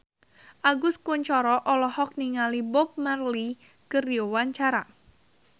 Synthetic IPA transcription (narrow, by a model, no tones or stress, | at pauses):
ʔaɡʊskuɲt͡ʃɔɾɔʔɔlɔhɔk̚niŋalibɔp̚marli | kəriɔwaɲt͡ʃaɾa